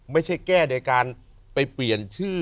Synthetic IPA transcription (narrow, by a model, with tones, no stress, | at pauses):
ma˥˩jt͡ɕʰa˥˩jkɛː˥˩na˧kaː˧n | pa˧jpli˨˩ənt͡ɕʰɯː˥˩